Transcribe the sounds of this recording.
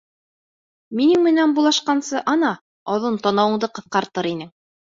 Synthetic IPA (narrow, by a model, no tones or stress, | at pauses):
minɘŋmɘ̆nænbulˠɑʃqɑnsɤʔɑnɑ | ɑðɤnt̪ɑnɑwɤ̆ɴd̪ɤqɤ̆θqɑɾt̪ɤɾinɘŋ